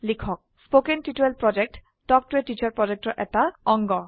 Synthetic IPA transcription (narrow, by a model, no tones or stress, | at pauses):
likʰɔk̚spokentitelpɹɔd͡ʒek̚ʈ | dɔk̚tɹeʈːit͡ɕaɹpɹɔd͡ʒek̚tɔʔɛ̰taɔŋɡɔ